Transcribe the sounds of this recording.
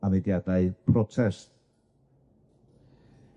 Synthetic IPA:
anɪdjadaɨpʰrɔtʰɛst

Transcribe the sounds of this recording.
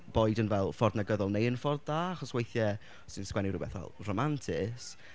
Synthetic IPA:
b̥ɔɨdənvɛlˠfɔrdnaɡəðɔlˠnejənfɔrdaːaχɔswejθjɛ | sɪnskwɛniɾʊbɛ̰θvɛ̰lˠrɔmantʰɪs

